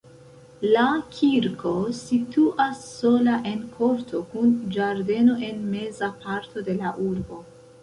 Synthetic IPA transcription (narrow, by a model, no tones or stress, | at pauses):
lakʰiɾkʰo̞situʔasːo̞laʔe̞nkʰo̞ɾtʰo̞kund͡ʒaɾde̞no̞ʔe̞nme̞zapaɾtʰo̞de̞laʔuɾbo̞